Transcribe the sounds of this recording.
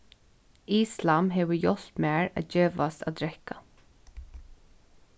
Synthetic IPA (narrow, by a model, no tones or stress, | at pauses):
iːslamɦeːʋəjɔl̥t̪meːɹæ̰ːd͡ʒøːʋast̪a̰ːd̪ɹɛka